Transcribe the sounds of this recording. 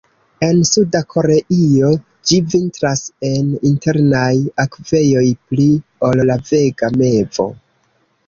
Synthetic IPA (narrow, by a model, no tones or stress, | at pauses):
e̞nsudakʰo̞ɾeʔio̞ | d͡ʒivintɾase̞ninte̞ɾnajakve̞jo̞jplio̞llave̞ɡame̞vo̞̰